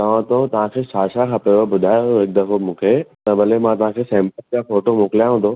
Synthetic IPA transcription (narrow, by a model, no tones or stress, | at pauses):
t̪ɐʋ̤ãt̪ot̪ɐʋ̤ãkʰeːʃaːʃakʰãpɐʋobʊd̪ʱaːjoɦɪk̚d̪ɐkʰomũːkʰet̪ɐbɐlemãt̪ɐʋ̤ãkʰeːsɛ̃ːmpəljafoːʈomoːkljãɦũːnd̪o